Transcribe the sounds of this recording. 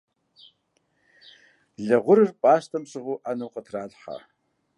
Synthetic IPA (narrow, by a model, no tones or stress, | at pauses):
ɮɐʁʷʊɾɨrpʼaːʃtʰɐmsɨʁuːʔanɐwqətʰraːɮħa̰